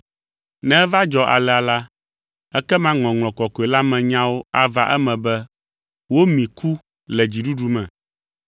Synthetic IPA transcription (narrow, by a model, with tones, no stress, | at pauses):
nɛ̃˦va˦d͡ʒɔ˦ʔa̰˨lɛ˨a˨la˦ | ɛ˦kɛ˦mã˦ŋlɔ̃˨ŋl̃ɔ̃˨kɔ˨kɔ˨e˨la˦mɛ̃˨ɲã˦wo˦a˨va˦ʔɛ˦mɛ̃˨bɛ˦ | wo˦mĩ˨ku˦ | lɛ˨d͡ʑi˨ɖu˦ɖu˦mɛ̃˨